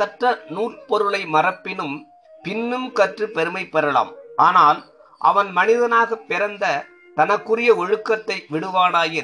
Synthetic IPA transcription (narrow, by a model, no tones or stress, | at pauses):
sɐʈrɐnuːrpɔɾɯɭɐɪmɐrɐpːɪnɯm | pɪnːɯmkɐʈrɯpɛɾɯmɐɪpːɛɾɐla̰ːmʔaːnaːl | ʔɐ̰ʋɐnmɐnɪðɐnaːɣɐpːɪɾɐnd̪ɐ | t̪ɐnɐkːɯrɪjɐɔɻɯkːɐt̪ːɐɪʋɪɽɯʋaːnaːjɪɾ